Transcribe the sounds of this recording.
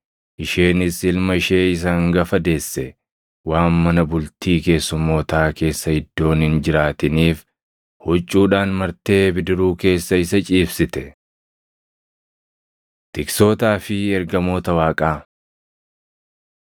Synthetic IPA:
ʔɪʃe̞ːnɪsɪlmɐɪʃe̞ːɪs̬ɐŋɡɐfɐd̪e̞ːsːɛ | waːnːɐnɐbʊlt̪iːke̞ːsːʊmːo̞ːt̪aːke̞ːsːɐhɪd̪ːo̞ːnhɪnd͡ʒɪɾaːt̪ɪniːf | hɔt͡ʃʼːuːᶑaːnmɐɾt̪e̞ːbɪd̪ɪɾuːke̞ːsːɐɪsɐt͡ʃʼiːfsɪt̪ɛ | t̪ɪkso̞ːt̪aːfɪɛɾɡɐmo̞ːt̪ɐwaːkʼaː

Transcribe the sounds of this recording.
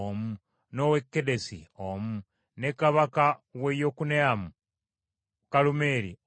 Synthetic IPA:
omu | nowekːedesḭomu | nekaβakawejokuneamu | kalume̞ːɾḭ

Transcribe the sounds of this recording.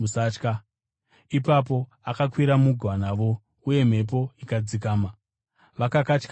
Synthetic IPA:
usaːt͡ʃka | ipap̬o̞ | akakwiɾamuɡʱwanaːʋo̞ | uje̞m̤e̞p̬o̞ikad͡zik̬aːma | ʋakakat͡ʃk

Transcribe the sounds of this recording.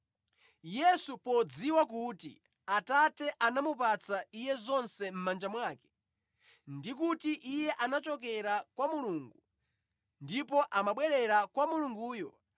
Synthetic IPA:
jɛsupɔd͡ziwakutḭ | atatɛʔanamupat͡saijɛzɔnsɛm̩mand͡ʒamwaːkɛ̥ | ndikutiʔijɛʔanat͡ʃɔkɛɾakwamuluːŋɡu | ndipɔʔamaɓwɛɾɛɾakwamuluŋɡuːjɔ

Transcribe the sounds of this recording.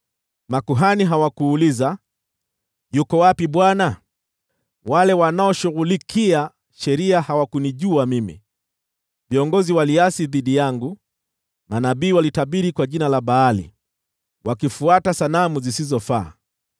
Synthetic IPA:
makuɦaniɦawakuːliza | jukɔwapiɓwana | walɛwanaɔʃuɣulikia | ʃɛɾiahawakuniʄuamimḭ | viɔŋɡɔziwaliasiðiɗijaŋɡu | manaɓiːwalitaɓiɾikwaʄinalaɓaːlḭ | wakifuatasalamuzisizɔfaː

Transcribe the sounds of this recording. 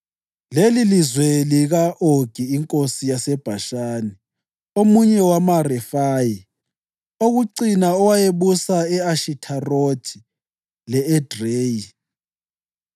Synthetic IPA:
lelilizweliɣaʔoɡ̥ʱiːŋkʼosijasɛb̥ʱaʃaːni | omuɲɛwamarɛfaːji | oɣuǀinaɔwajeβusaɛaʃitʰarod̥ʰʱi | lɛːd̥reːji

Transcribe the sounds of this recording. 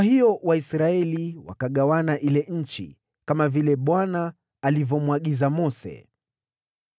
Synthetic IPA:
ahiɔwaisɾaɛliwa̰kaɠawanaʔilɛɲ̩t͡ʃḭ | kamavilɛɓwanaː | livɔmwaɠizamɔsɛ̰

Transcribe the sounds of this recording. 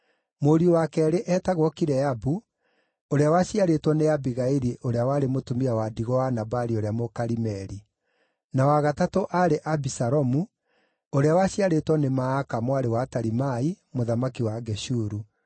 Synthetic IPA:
moːɾiowakɛːɾeʔɛːtaɣwɔkiɾɛabu | oɾeawaɕiaɾetwɔneabiɣaiɾiʔoɾeawaːɾemotumiawadiɣɔwanabaɾioɾeamokaɾimɛɾi | nawaɣatatoʔaɾeʔabisaɾɔmu | oɾeawaɕiaɾetwɔnemaːkamwaɾewataɾimai | moðamakiwaɡɛʃuɾu

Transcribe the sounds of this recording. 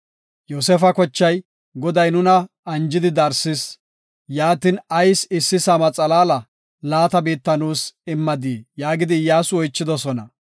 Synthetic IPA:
joːsɛfɐkɔt͡ʃːɐj | ɡɔd̪ɐjnʊnɐː | nd͡ʒɪd̪ɪd̪ɐɾsɪs | jaːt̪ɪnɐjsɪsːɪsɐmɐt͡sʼɐlaːlɐ | laːt̪ɐbiːt̪ːɐnuːsɪmːɐd̪iːjaːɡɪd̪ɪjaːsʊɔjt͡ʃːɪd̪ɔsɔnɐ

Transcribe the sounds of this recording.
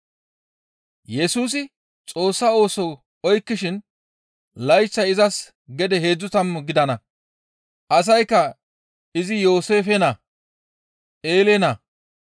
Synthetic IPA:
jɛsuːs̬ɪ | t͡sʼo̞ːsːɐo̞ːsɔw | ɔjkːɪʃɪn | lɐjt͡ʃːɐɪzɐs | ɡɛd̪ɛɦe̞ːd͡zːʊt̪ɐmɡɪd̪ɐnɐ | ʔɐs̬ɐjkːɐ | ɪzɪjo̞ːse̞ːfɛnɐ | ʔeːlenɐ

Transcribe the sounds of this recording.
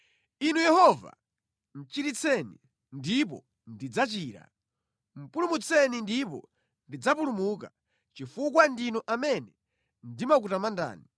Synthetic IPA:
inujɛhɔva̰ | n̩t͡ʃiɾit͡sʰɛnḭ | ndipɔ̰ | ndid͡zat͡ʃiːɾa̰ | m̩pulumut͡sʰɛnindipɔ̰ | ndid͡zapulumuːk̬a | t͡ʃifukwandinɔʔamɛnɛ | ndimak̬utamanda̰ːni

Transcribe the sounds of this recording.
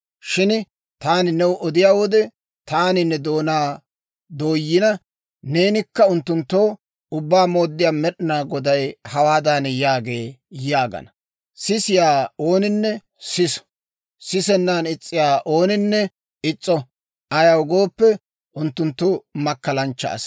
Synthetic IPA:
ʃɪn | t̪aːnɪnɛwʔɔd̪ɪjaːwɔd̪ɛ | t̪aːnɪnːɛd̪o̞ːnaː | d̪o̞ːjːɪnɐ | ne̞ːnɪkːɐʊnt̪ːʊnt̪ːo̞ː | ʊbːaːmo̞ːd̪ːɪjaːmɛɗɪnaːɡɔd̪ɐjhɐwaːd̪aːnjaːɡe̞ːjaːɡɐ̰nɐ | sɪsɪjaːo̞ːnɪnːɛ | sɪs | sɪsɛnːaːnɪt͡sʼːɪjaːʔo̞ːnɪnːɛ | ɪt͡sʼːɔ | ʔɐjɐwʊɡoːpːɛ | ʔʊnt̪ːʊnt̪ːomɐkːɐlɐnt͡ʃːɐ̰ːs

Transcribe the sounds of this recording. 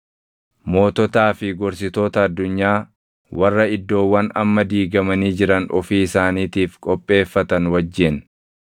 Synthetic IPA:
mo̞ːt̪ɔt̪aːfɪɡɔɾs̬ɪt̪o̞ːt̪ɐːd̪ːʊɲːaː | wʔɐrːɐɪd̪ːo̞ːwːɐnɐ̰mːɐd̪iːɡɐmɐniːd͡ʒɪɾɐnɔfiːɪsaːniːt̪iːfkʼɔpʼːe̞ːfːɐt̪ɐnwɐd͡ʒːɪn

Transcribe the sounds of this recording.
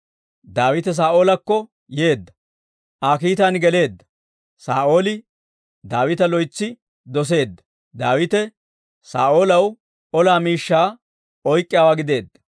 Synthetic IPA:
d̪aːwɪt̪ɛs̬aːʔo̞ːlɐkːɔ | je̞ːd̪ːɐ | ʔaːkiːt̪anɡɛle̞ːd̪ːɐ̥ | saːʔo̞ːlɪ | d̪aːwɪt̪ɐlɔjt͡sːɪ | d̪ɔs̬e̞ːd̪ːɐ̥ | d̪aːwɪt̪ɛ | sa̰ːʔo̞ːlɐw | ɔlaːmiːʃːaː | ʔɔjkʼːɪjaːwaːɡɪd̪e̞ːd̪ːɐ̥

